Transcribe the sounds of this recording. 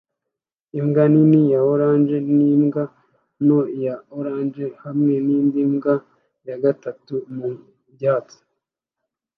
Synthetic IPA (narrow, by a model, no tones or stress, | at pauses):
imɡaninijaoɾaːnʒenimɡa | nojaoɾaːnd͡ʒe̞hamŋe̞niːndimɡa | jaɡatatumu | bɟaːt͡si̥